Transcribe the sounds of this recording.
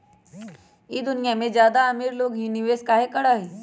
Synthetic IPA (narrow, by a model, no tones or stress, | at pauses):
iːd̪ʊnɪjamẽzjaːd̪aɐmiːɾloːɡɦinɪʋeːskaːɦekɐɽaːɦiː